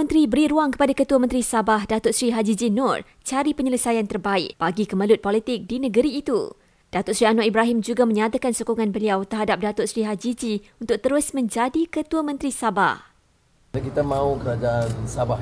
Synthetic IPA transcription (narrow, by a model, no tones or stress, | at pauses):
ə̃nt̪ɾibəɾiɾuaŋkə̥padakət̪uamə̃nt̪ɾisabahdat̪ʊrsɾiɦad͡ʒid͡ʒinɔr | t͡ʃaɾipəɲələsajant̪ərbaɪ̰k̚b̥aɡikəməlʊt̪̚pɔlit̪ɪk̚dinə̃ɡəɾiːt̪ṵ | d̥at̪ʊrʔsɾianwaʔibɾaɦimd͡ʒuɡamə̃ɲat̪akansokoŋãnbəliawt̪ərɦadap̚dat̪ʊrsɾiɦad͡ʒid͡ʒiunt̪ʊk̚t̪əɾʊsmə̃ɲd͡ʒadikət̪uamə̃nt̪ɾisaba̰h | akit̪amãukəɾad͡ʒaansaba